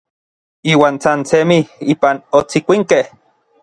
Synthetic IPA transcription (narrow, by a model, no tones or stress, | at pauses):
iːwaːnsant͡semiiːpanot͡sikʷiŋkeh